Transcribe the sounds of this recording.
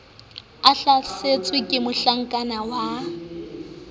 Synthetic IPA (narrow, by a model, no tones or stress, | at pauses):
aɬaset͡sʼwɪkʼɪmʊɬaŋ̩kʼanawa